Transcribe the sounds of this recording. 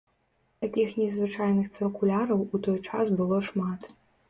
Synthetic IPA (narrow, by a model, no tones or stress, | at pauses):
t̪akʲixnʲizvɨt͡ʂajnɨxt̪sɨkulʲaɾɐwut̪ɔjt͡ʂasbɨlˠɔʂmat̪